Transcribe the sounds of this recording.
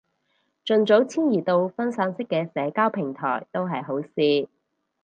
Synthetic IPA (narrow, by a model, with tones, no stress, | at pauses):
t͡ʃɵ˨˧nt͡so˨˥wt͡sʰiː˥njiː˨˩t̪o˧wfɐ˥nsaː˨˥ŋsɪ˥kːɛː˧sɛː˨˧kaː˥wpʰɪ˨˩ŋt̪ʰɔ̰ː˨˩jt̪o˥wɦɐ˨jɦo˨˥wsiː˧